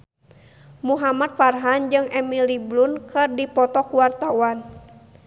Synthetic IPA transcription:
muɦamat̪̚farɦand͡ʒɨŋɛmiliblunkɨrdipɔt̪ɔkuwart̪awan

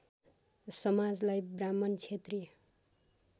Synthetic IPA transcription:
sʌmad͡zlajbramʌnt͡sʰet̪ri

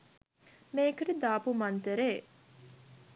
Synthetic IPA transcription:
meːkəɾid̪aːpumant̪eɾeː

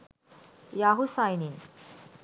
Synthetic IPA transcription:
jaɦusajnin

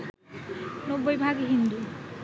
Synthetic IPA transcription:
nobojbʱaɡɦind̪u

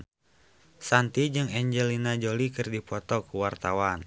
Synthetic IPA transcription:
sant̪id͡ʒɨŋɛɲd͡ʒɛlinad͡ʒolikɨrdipɔt̪ɔkuwart̪awan

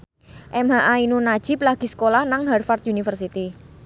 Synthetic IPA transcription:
ʔɛmɦaʔainunad̥ʒ̥i̤plaɡ̥i̤sə̥kolahnaŋɦɛrfart̪unifərsit̪i

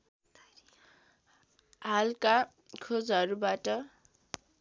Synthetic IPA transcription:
ɦalka | kʰod͡zʌɾubaʈʌ

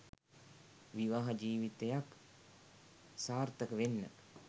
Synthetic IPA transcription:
ʋiʋaːɦad͡ʒiːʋit̪ejak | saːɾt̪əkəʋenːə̰

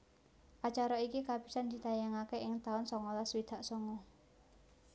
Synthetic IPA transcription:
ʔat͡ʃaɾɔikikab̥i̥sand̪̥i̤t̪ajaŋakeɪŋt̪aʊnsɔŋɔlaswid̪̥a̤ʔsɔŋɔ

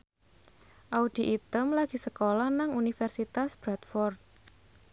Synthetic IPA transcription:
ʔaud̪̥i̤ʔit̪əmlaɡ̥i̤səkolahnaŋunifɛrsit̪asb̥ɾat̪fɔrt̪̚

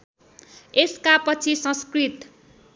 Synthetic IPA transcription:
eskapʌt͡sʰisʌ̃skrit̪

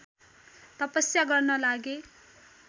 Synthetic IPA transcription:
t̪ʌpʌsjaɡʌrnʌlaɡe

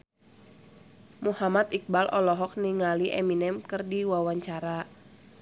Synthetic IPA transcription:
muhamat̪ik̚balʔɔlɔɦɔk̚niŋaliʔɛ̰minɛmkɨrdiwawaɲt͡ʃaɾa

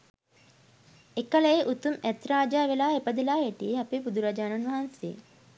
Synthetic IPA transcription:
ekɐlɐeʔut̪umɛt̪ɾaːd͡ʒaːʋelaːepɐd̪ilaːeʈieɐpebud̪uɾad͡ʒaːnɐnʋɐɦansḛː

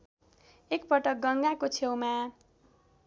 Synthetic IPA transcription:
ekpʌʈʌk̚ɡʌŋɡakot͡sʰewma

